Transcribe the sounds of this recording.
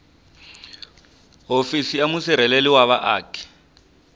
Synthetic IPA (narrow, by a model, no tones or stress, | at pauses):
ɦofisiamusiɾ̤ɛleliwaβaʔaːkʰi̥